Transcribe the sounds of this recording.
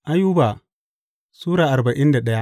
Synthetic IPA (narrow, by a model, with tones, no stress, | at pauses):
ʔa˦juː˦baː˨ | suː˦ɾaː˨ʔa˨ba˨ʔɪ˦nda˨ɗɐ˦ja˦